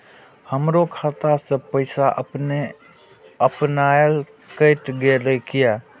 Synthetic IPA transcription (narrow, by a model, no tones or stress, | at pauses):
həmɾokʰat̪asepəjsaʔpne | əpnajl | kəjʈɡeləjkija